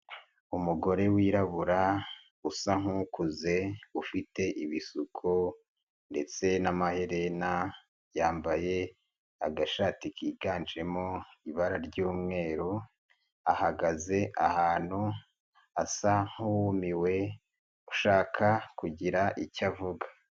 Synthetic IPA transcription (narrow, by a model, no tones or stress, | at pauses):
umuɡo̞ɾe̞wiːɾaβuɾa | usaŋ̥hukuze̞ufite̞ʔiβisukʰo | nde̞t͡se̞namahe̞ɾena | jaːmbaje̞ | aɡaʃaːtikiːɡaːnd͡ʒe̞moiβaɾaɾɟuːmŋe̞ːɾu | ahaɡaze̞ʔahaːn̥hu | asaŋ̥huwmiwe̞ | uʃaːkʰakuɟiɾaʔicavuɡḁ